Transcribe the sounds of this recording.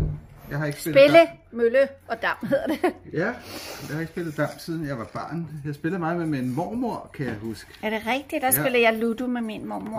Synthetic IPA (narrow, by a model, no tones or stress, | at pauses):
jɑ̈ɪɦɑ̈e̝ɡ̥ə̥seb̥eləmøləɒ̽d̥ɑ̈m̰hɦeðˠɐd̥ejæjɑ̈ɪhɑe̝ɡ̥sb̥e̝lð̩ˠd̥ɑ̈m̰siðˠn̩jɑ̈ɪʋɑ̈b̥ɑ̰̈ːnjɑ̈ɪsb̥e̝ləð̩ˠmɑ̈ːð̩ˠmeminmɒ̰moɐ̰kʰæjɑ̈ɪhusɡ̥ə̥æɐɾ̥e̝ʁɛɡ̥̚d̥i̥d̥ɑ̈suləjɑ̈ɪlud̥umeminmɒ̰ːmoɐ̰